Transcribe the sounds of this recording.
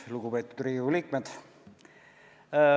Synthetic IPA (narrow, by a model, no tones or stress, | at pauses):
luɡ̥upe̞ːt̪ːˑud̪̥riːuliːk̚med̪̥